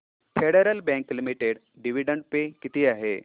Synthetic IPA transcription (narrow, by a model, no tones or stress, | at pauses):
fʰeɽeɾəlbɛ̃ŋklimiʈeɽ | ɖiʋiɖəɳɖpekit̪iːaɦḛ